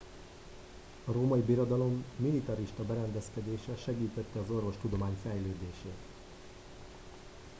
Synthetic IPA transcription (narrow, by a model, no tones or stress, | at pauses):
ɒɾoːmɒibiɾo̞d̪ɒlo̞mːilit̪ɒɾiʃt̪ɒbɛɾɛnd̪ɛskɛd̪eːʃɛʃɛɡiːt̪ɛt̪ːɛɒzo̞rvo̞ʃt̪ud̪o̞maːɲfɛjløːd̪eːʃeːt̪